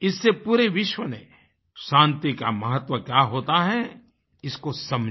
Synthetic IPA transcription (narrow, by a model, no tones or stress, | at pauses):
ɪsːepuːɾeʋɪʃwənḛ̃ | ʃãːnt̪ikamɐɦət̪ʋəkjaːɦoːt̪aɦɛ | ɪskosɐm